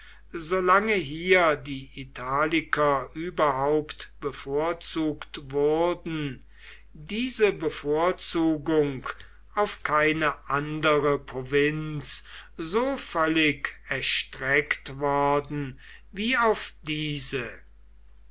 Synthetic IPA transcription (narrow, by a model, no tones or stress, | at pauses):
zolaŋəɦiːɐdiːʔitʰaːlɪkʰɐʔyːbɐɦaʊptb̥əfoːɐt͡suːktvʊʁdn̩ | diːzəbəfoːɐt͡suːɡʊŋk | aʊfkʰaɪnəʔandəʁəpʁovɪnszoːfœlɪkɛɐʃtʁɛktvɔɐdn̩ | viːaʊfd̥iːzə